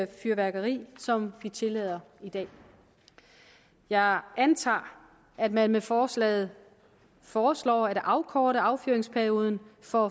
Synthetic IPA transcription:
fyɐʋæɐɡ̥ɐʁḭːsɒ̽mʋit͡sʰe̝lɛːð̞ˠɐid̥ɛ̰ː | jɑ̈ɪænt͡sʰɑ̰̈ː | æd̥mænmefɒːslɛ̰ːð̞̩ˠ | fɒːslɒ̰ːæd̥ʔɑ̈ʊkʰɒːɾɐɑ̈ʊfyɐe̝ŋspʰæɐio̝ːð̞ˠn̩fɒ

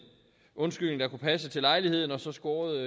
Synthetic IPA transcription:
ʔɔ̽nsɡ̥yl̰neŋ̩d̥ɑ̈kupʰæs̬ət͡sʰe̝lɑ̈ɪlihe̝ð̞̰ˠn̩ɒ̽sɒ̽sɡ̥ɒːð̩ˠ

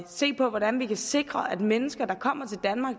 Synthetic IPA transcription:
se̝̰ːpʰɒ̽ʋɒɾ̥ænʋikʰæse̝ɡ̥ʁɐʔæd̥menəsɡ̥ɐd̥ɑ̈kʰɒ̽m̰ɐt͡sʰe̝ld̥ænmɑ̈ːɡ̥

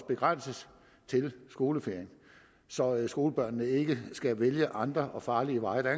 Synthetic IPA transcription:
sb̥e̝ɡ̥ʁan̰səs | t͡sʰe̝lsɡ̥o̝ːləfe̝ɐ̰eŋ | sɒ̽sɡ̥o̝ːləb̥ɶɐ̰nːəe̝ɡ̥əsɡ̥æʋeljəʔɑ̈nd̥ʁɐʔɒ̽fɑ̈ːliəʋɑ̈ɪd̥æ

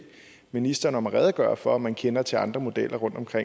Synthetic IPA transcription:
minisd̥ɐːnɒmæʁɛð̞ˠɡ̥ɶ̰ːɐfɒ̽ɒmːænkʰenɐt͡sʰe̝ɑ̈nd̥ʁɐmo̝d̥elʔɐʁɔ̽n̰d̥ɒ̽mkʰʁe

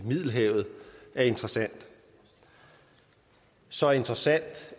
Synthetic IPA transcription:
mið̞ˠl̩ɦɛʊ̰ð̞̩ˠæɐe̝nd̥ʁɐsæn̰d̥ | sɒ̽e̝nd̥ʁɐsæn̰d̥

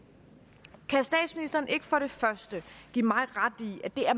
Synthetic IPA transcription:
kʰæsd̥ɛ̰ːd̥sminisd̥ɐːn̩ʔe̝ɡ̥ə̥fɒ̽ɾ̥e̝fɶɐsd̥əɡ̥ḭːmɑ̈ɪʁɑ̈d̥iæd̥e̝æɐ

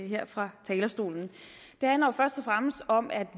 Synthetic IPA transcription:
ɦeɐ̰fʁɑ̈t͡sʰɛːlɐsd̥o̝̰ːln̩ | d̥e̝hænlɐofɶɐsd̥ɒfʁaməsd̥ɒ̽mʔæd̥

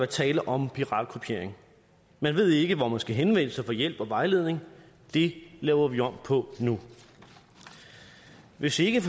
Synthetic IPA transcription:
æt͡sʰɛːləʔɒ̽mpʰiʁɑ̰̈ːd̥̚kʰopʰe̝ɐ̰eŋ | mænʋe̝ð̞̰ˠe̝ɡ̥əʋɒmænsɡ̥æɦenʋen̰əsɑ̈ɪfɒ̽jel̰b̥ɒ̽ʋɑ̈ɪle̝ð̞̰ˠne̝ŋ | d̥e̝lɛːʊɐʋiɒ̽m̰pʰɒ̽nu | ʋe̝sie̝ɡ̥əf

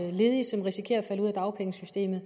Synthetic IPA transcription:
le̝ːðˠisɒ̽mʁisi̥kʰe̝̰ːɐɒfæləuð̰ˠd̥ɑ̈ʊpʰeŋəsysd̥e̝̰ːmð̩ˠ

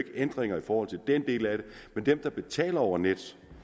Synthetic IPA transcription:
ɡ̥əʔend̥ʁeŋɐifɒːhɒ̽l̰t͡sʰe̝ld̥end̥e̝̰ːlæɾ̥e̝mend̥emd̥ɑ̈b̥e̝t͡sʰɛ̰ːlɐɒʊɐned̥

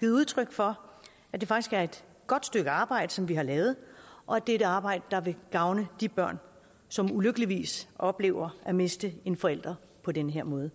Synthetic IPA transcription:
ið̩ˠuð̞ˠt͡sʰʁœɡ̥fɒ̽ | æd̥e̝fɑ̈ɡ̥isɡ̥æɐe̝d̥ | ɡ̥ɒ̽d̥sd̥øɡ̥əɑ̈ːb̥ɑ̈ɪ̰d̥əsɒ̽mʋiɦɑ̈lɛːʊð̞̩ˠʔɒ̽æd̥eɾəɑ̈ːb̥ɑ̈ɪ̰d̥əd̥ɑ̈ʋe̝ɡ̥ɑ̈ʊnəd̥ib̥ɶɐ̰n | sɒ̽muløɡ̥əliʋḭːsʔɒ̽b̥le̝̰ːʊ̰ɐʔæme̝sd̥əe̝nfɒ̽el̰d̥ʁɐ | pʰɒ̽denəɦeɐ̰mɔ̽ːð̞̩ˠ

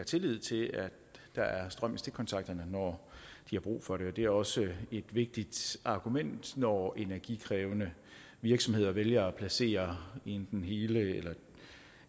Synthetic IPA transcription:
æt͡sʰe̝lið̞̰ˠt͡sʰe̝læ̥ | d̥ɑ̈æɐsd̥ʁɶm̰ist͡sʰe̝kʰɒ̽nt͡sʰɑ̈ɡ̥̚d̥ɐnənɒd̥ihɑ̈b̥ʁṵːfɒ̽ɾe̝ɒ̽d̥e̝æɐɒ̽səe̝d̥ʋe̝ɡ̥̚d̥id̥ɑ̈ɡ̥umen̰d̥nɒe̝næɐɡ̥ikʰʁɛːʊnə | ʋiɐɡ̥sɒ̽me̝ð̞̰ˠɐʋeljɐɒpʰlæse̝̰ːɐend̥n̩ɦe̝ːləelɐ

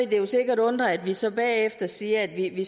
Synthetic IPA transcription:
id̥e̝jo̝se̝ɡ̥ɐɾɔ̽nd̥ʁɐæd̥ʋisɒ̽b̥ɛːefd̥ɐsiːɐæd̥ʋiʋi

